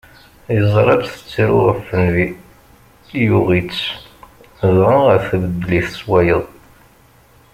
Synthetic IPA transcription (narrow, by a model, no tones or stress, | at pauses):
jəzˤɾˤɑdθə̥t͡sːiɾʊʁəfːənvi | juʁit͡sː | ðʁəʁəɾθəbəd̪ːliθəswæjəðˤ